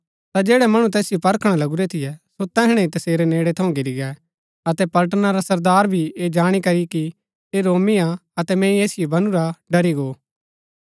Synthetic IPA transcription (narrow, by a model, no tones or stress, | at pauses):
t̪ad͡ʒeːɽɛmɐɽ̃ũt̪ɛːsɪjopɐɾkʰɽ̃alɐɡuɾɛt̪ʰɪjɛsot̪ɛːɦɽ̃ɛ̃it̪ɐseːɾɛneːɽɛt̪ʰɐũɡɪɾiɡɛ | ɐt̪ɛpɐlʈ̬ənaɾasɐɾd̪aːɾbʱied͡ʒaːɽ̃ikɐɾiki | eɾoːmiaɐt̪ɛmɛ̃ːĩeːsɪjebɐnuɾaɖɐɾiɡoː